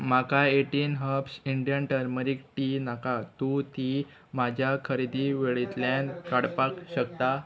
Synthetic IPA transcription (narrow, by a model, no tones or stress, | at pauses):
makaeʈinɦəpsiɳɖijənʈəɾməɾik̚ʈinakat̪ut̪i | mad͡ʑʱjakʰəɾid̪iʋeɭit̪ljãnkaɽpakɕəkt̪a